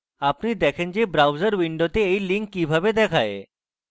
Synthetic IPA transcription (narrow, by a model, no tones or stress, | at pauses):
apnid̪ɛkʰend͡ʑebɾawzəɾʋiɳɖot̪eejliŋkːibʱabed̪ɛkʰae